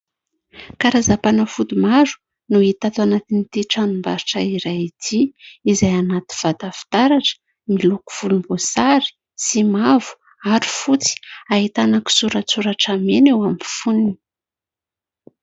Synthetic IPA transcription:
kaɾazapanəfud̪umazu̥ | nuit̪at̪uanat̪init̪iʈ͡ʂanumbaɾiʈ͡ʂaiɾajit̪ʰiizajanat̪iv̥at̪afi̥t̪aɾaʈ͡ʂə̥ | miluku̥v̥ulumbosaɾi̥ | simavu̥ | aɾi̥fut͡si̥aɦit̪anaki̥suɾat͡suɾaʈ͡ʂamenewamifunini

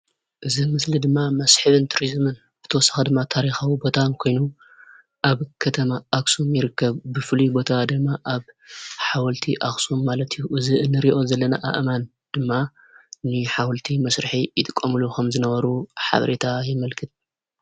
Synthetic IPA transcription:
ʔɨzimɨslid̪ɨmːamɐsħɨβɨnt̪ʰuɾizmɨn | b̥ɨt̪ʰɐwɔsḁxɨd̪ɨmːat̪ʰaɾixawubo̞t̪ʰakʰo̞jnu | ʔaβkʰɐt̪ʰɐmaːksumjɪɾɨkːɐβbɨfɨlubo̞t̪ʰad̪ɨmːaʔaβħawɐlt̪ʰiʔaksumːalɐt̪juʔɨziʔɨnːɨɾiʔo̞zɐlːɐnaʔa̰ʔɨman | d̪̥ɨmːa | nɨħawɐlt̪ʰimɐsɾɨħijɪt̪ʼɨkʼːɐmɨlukʰɐmzɨnɐβɐɾuħa̰βɐɾet̪ʰajɪmɐlkʰɨt̪̚

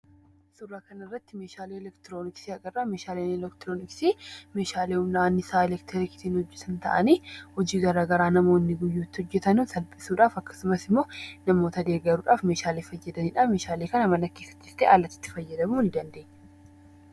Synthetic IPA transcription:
sʊrːaːkɐnɐɪrːɐt̪ːɪmeːʃaːleːɛlɛkt̪ɪɾo̞ːnɪksiɐkʼɐrːaːmeːʃaːleːnɛlɛkt̪ɪɾoːnɪksiːmeːʃaːleːʊmnaːnːɪsaːɛlɛkt̪ʰɛɾɪkɪ̥t̪iːnhɔd͡ʒːɛt̪ɐnt̪ɐʔɐniːhɔd͡ʒiːɡɐɾaːɡɐɾaːnɐmo̞ːnːɪɡʊjːuːt̪ːɪhɔd͡ʒːɛt̪ɐnuːsɐlpʼɪsuːᶑaːfɐkːɐ̥sʊmɐsɪmːoːnɐmoːt̪ɐd̪e̞ːɡɐɾuːᶑaːfme̞ːʃaːleːfɐjːɐd̪ɐniːᶑaːmeːʃaːleːkɐnɐmɐnɐkeːsɐ̥t̪ːɪst̪eːʔaːlːɐt̪ːɪ̥t̪ːɪ̥fɐjːɐd̪ɐmuːnd̪ɐnd̪e̞ːɲːɛ̥

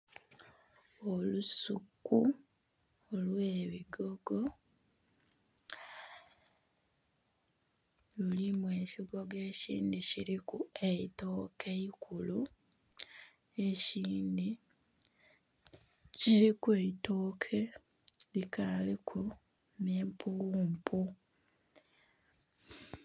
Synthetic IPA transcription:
olusukːu | olwe̞ːβiɡo̞ɡo̞ | lulimwe̞ːʃiɡo̞ɡe̞ːcḭːndiciɾikueito̞ːkʰeikʰulu | eciːndi | ciɾikuweitoːkʰe̞ | likʰalikʰu | neːmpuuːmpʰu

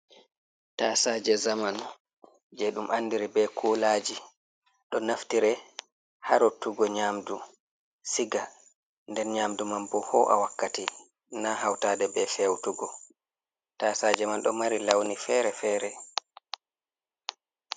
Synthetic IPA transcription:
taːsaːd͡ʒɛzaman | d͡ʒɛɗumanːdiɾɛbɛkʰulaːd͡ʒi | ɗɔnaftiɾɛ | haɾotːuɡɔɲaːmdu | siɡa | ndɛnɲaːmdumambɔhɔʔa̰wakːati | naɦawtaːdɛbɛfɛwtuɡɔ | tasaːd͡ʒɛmanɗɔ̰maɾilawnifɛːɾɛfɛːɾɛ

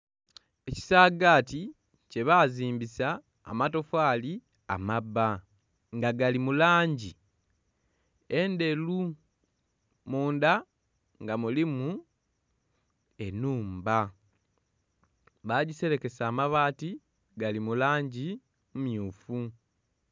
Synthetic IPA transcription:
e̞ci̥saːɡaːti | ce̞βaziːmbisa̰ː | mato̞faːli | a̰maba | ŋɡaɡalimulaːɲɟi | e̞nde̞lu | muːnda | ŋɡamulimu | e̞nuːmba | βaɟise̞ɾe̞ke̞saːmaβaːti | ɡalimulaːɲɟi | mumjuːfu

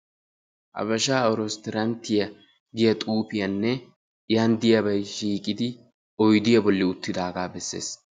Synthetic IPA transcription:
ʔɐ̰bɐʃaːɔɾɔst̪ɛɾɐnt̪ːɪjɐ | ɡɪjɐt̪ʼuːpɪjɐnːɛ | jɐnd̪ɪjɐbɐjʃiːkʼːɪd̪ɪ | ɔjd̪ɪjɐbɔlːɪʊt̪ːɪd̪aːɡaːbɛsːe̞̰ːs

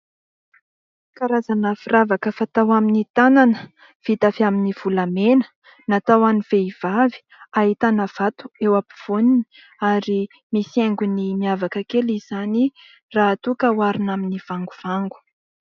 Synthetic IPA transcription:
kaɾazanəfiravakəfat̪awaminit̪ananə | v̥it̪afiaminiv̥ulamenə̥ | nat̪awaniv̥eiv̥avi̥ | aɦit̪anav̥at̪u̥ewapi̥v̥onini | aɾi | misieŋɡunimiavakəkelizani | raːt̪ukəwaɾinaminiv̥aŋɡuv̥aŋɡu̥

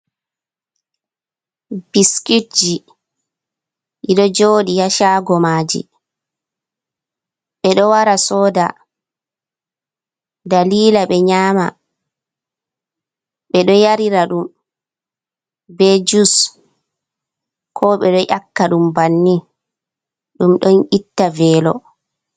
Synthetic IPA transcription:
b̥iskid͡ʒi | ʔiɗɔd͡ʒoːɗijaʃaːɡɔmaːd͡ʒḭ | ɓɛɗɔwaɾasɔːda | daliːlaɓɛɲaːma̰ | ɓɛɗɔjaɾiɾaɗum | bɛd͡ʒus | kʰɔɓɛɗɔʔakːaɗumbanːi | ɗumɗɔnʔitːavɛːlɔ̰

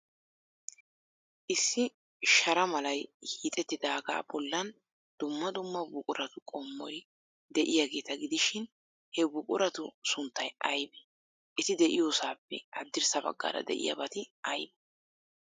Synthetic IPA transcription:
ʔɪsːɪ | ʃɐɾɐmɐlɐjhiːt̪ʼɛt̪ːɪd̪aːɡa̰ːbɔlːɐn | d̪̥ʊmːɐd̪ʊmːɐbʊkʼʊɾɐt̪ʊkʼɔmːɔj | d̪ɛʔɪjaɡe̞ːt̪ɐɡɪd̪ɪʃɪn | hɛbʊkʼʊɾɐt̪ʊsʊnt̪ːɐjʔɐjbɛ | ʔɪt̪ɪd̪ɛʔɪjoːsaːpːɛ̰ʔɐd̪ːɪɾsɐbɐ̰ɡːa̰ːɾɐ̰d̪ɛ̰ʔɪ̰jɐ̰bɐt̪ɪʔɐjbɛ̥

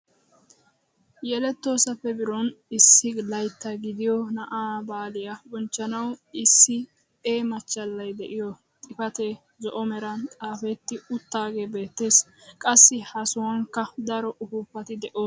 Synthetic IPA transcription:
jɛlɛt̪ːo̞ːsɐfːɛbɪɾɔnɪsːɪlɐjt̪ːɐɡɪd̪ɪjɔnɐʔaːbaːlɪjɐbɔnt͡ʃːɐnɐwɪsːɪ | eːmɐt͡ʃːɐlːɐjd̪ɛʔɪjɔ | t̪ʼɪfɐt̪e | zɔʔɔmɛɾɐnt̪ʼaːfɛt̪ːɪʊt̪ːaːɡebe̞ːt̪ːe̞ːskʼɐsːɪhɐsʊwɐŋkːɐd̪ɐɾɔʔʊfʊpːɐt̪ɪd̪ɛʔoː

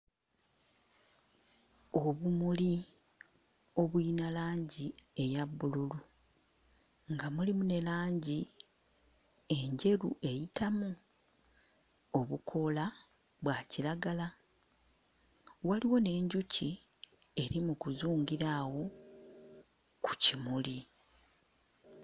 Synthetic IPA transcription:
o̞βumuli | o̞βwinalaːɲɟie̞jabːululu | ŋɡamulimune̞laːɲɟi | e̞ɲɟe̞ɾṵʔe̞jitamu | o̞βukʰo̞la | βwaciɾaɡala | waliwo̞ne̞ːɲɟuci | e̞ɾimukuzuːŋɡiɾawo̞ | ku̥cimuli

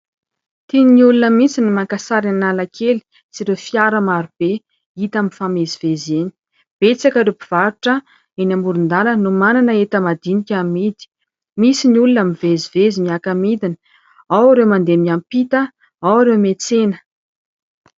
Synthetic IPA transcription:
t̪ininiulunəmit͡sinimakasaɾanalakʰeli̥ | t͡siɾewfiaɾəmaɾub̥e | it̪amifameziv̥ezeni̥ | b̥et͡sakəɾepiv̥aɾuʈ͡ʂə | enamuɾund̪alənumananəet̪əmad̪inikʲamid̪i̥ | misiniulunamivezivezimiakamid̪inə | awaɾewmand̪emiampit̪ə | awaɾewmet͡senə̥

